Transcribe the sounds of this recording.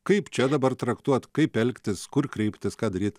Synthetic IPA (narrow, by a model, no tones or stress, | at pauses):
kɐɪpt͡ʃʲɛd̪ɐbɐrt̪ɾɐkt̪uɔt̪kɐɪpɛlʲkt̪ʲɪskʊrkɾʲɛɪpʲt̪ʲɪskɑːd̪ɐɾʲiːt̪